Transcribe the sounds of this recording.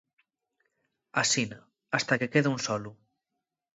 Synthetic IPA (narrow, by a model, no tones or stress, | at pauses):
asina | ast̪akekeðeũnsɔlu